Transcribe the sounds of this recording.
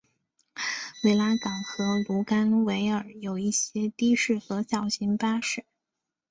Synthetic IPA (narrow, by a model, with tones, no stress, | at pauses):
we˧˥ɪla˥kɑ˨˩ŋxɤ˧˥lu˧˥ka˥nwe˧˥ɪə˞˨˩jo˨˩ʊi˥˩ɕjɛ˥t̪i˥ʂɻ̩˥˩xɤ˧˥ɕjɑ˨˩ʊɕi˧˥ŋpa˥ʂɻ̩˥˩˦